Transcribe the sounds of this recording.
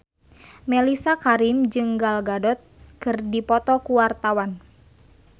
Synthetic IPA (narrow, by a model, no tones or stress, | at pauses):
melisakaɾimd͡ʒɨŋɡalɡadɔt̪̚kɨrdipɔt̪ɔkuwart̪awan